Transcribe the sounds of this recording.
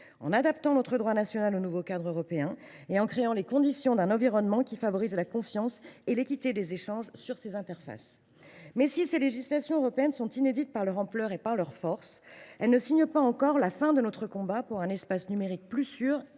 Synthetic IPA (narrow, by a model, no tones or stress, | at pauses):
ɑ̰̃nad̪apt̪ɑ̃nɔt̪χəd̪ʁwanasjɔnalonuvokad̪ʁøʁɔpeɛ̃ | eɑ̃kχeɑ̃lekɔ̃d̪isjɔ̃d̪ɛ̃nɑ̃viʁɔnmɑ̃kʲifavɔʁizlakɔ̃fjɑ̃selekʲit̪ed̪ezeʃɑ̃ʒsyʁsezɛ̃t̪ɛʁfa̰s | mɛsiseleʒislasjɔ̃øʁɔpeɛnsɔ̃t̪ined̪it̪̚paʁlœʁɑ̃plœʁepaʁlœʁfɔʁsɛlnəsiɲəpaɑ̃kɔʁlafɛ̃d̪ənɔt̪χəkɔ̃bapuʁɛ̃nɛspasnymeʁik̚plysyːʁ